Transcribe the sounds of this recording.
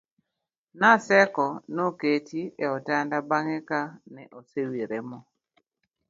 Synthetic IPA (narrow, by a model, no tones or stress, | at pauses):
nasɛkɔnoketieɔtandabaŋɛkanɛʔosewiɾemɔ